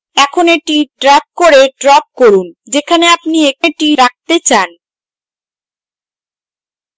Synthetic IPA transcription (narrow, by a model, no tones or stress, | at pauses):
ɛkʰoneʈiʈɾap̚koɾeɖɾɔp̚koɾund͡ʑekʰaneapnieeʈiɾak̚t̪et͡ɕan